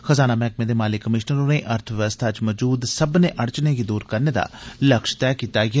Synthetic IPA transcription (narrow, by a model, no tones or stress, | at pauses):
xəzaːnaːmɛːk̚mẽːd̪eːmaːlɪkːəmɪʃnəɾoːnẽːʔəɾt̪ʰʋʋəst̪ʰaːt͡ʃməd͡ʒuːd̪səbneːʔəɽt͡ʃneːɡiːd̪uːɾkəɾneːd̪a̰ːləkʃt̪ɛːkiːt̪aːɡɛ